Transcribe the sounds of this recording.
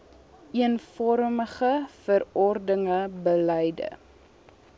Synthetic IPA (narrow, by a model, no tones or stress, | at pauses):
ʔiənfɔɾməχəfərɔrdəŋəbələjdə̰